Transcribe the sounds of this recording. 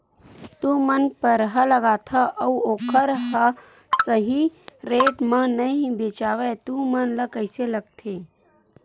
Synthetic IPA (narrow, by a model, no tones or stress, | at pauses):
t̪umənpəɾɦələɡaːt̪ʰɐʔəuoːkʰəɾɦə | səɦiɾeːʈmə̃nəɦiĩbet͡ʃaːʋet̪umənləkəɪseləɡ̚t̪ʰeː